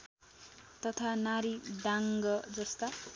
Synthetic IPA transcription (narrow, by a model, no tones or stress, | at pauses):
t̪ʌt̪ʰanaɾiɖaŋɡʌd͡zʌst̪a